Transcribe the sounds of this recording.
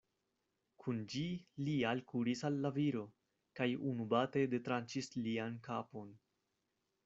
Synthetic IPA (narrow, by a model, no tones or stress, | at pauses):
kʰund͡ʒilialkuɾisalːaviɾo̞ | kajunubate̞de̞tɾant͡ʃisliankapo̞n